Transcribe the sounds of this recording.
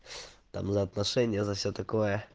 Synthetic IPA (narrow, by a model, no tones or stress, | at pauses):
t̪a̰mzɐːt̪nɐʂɛnʲɪjəzɐfsʲot̪ɐkojə